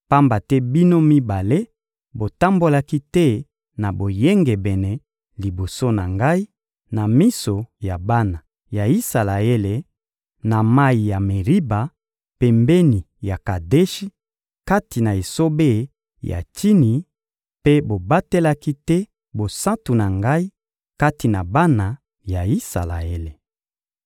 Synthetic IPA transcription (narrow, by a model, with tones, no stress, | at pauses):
pa˦mba˨tɛ˦bi˦no˦mi˦ba˨le˦ | bo˨ta˦mbo˦la˦ki˦tɛ˦ | na˨bo˨je˦ŋɡɛ˨bɛ˨nɛ˨ | li˨bo˨so˦na˨ŋɡa˦i˦ | na˨mi˦so˨ja˨ba˦na˨ | ja˨i˦sa˨la˨e˦le˨ | na˨ma˦i˨ja˨me˨ʁi˦ba˨ | pɛ˨mbɛ˦ni˨ | ja˨ka˨de˦ʃi˦ | ka˦ti˨na˨e˨so˦be˦˨˦ | ja̰˨ti˦ni˨ | pe˦bo˨ba˦te˦la˦ki˦tɛ˦ | bo˨sã˦tu˨na˨ŋɡa˦i˦ | ka˦ti˨na˨ba˦na˨ | ja˨i˦sa̰˨la̰˨e˦le˨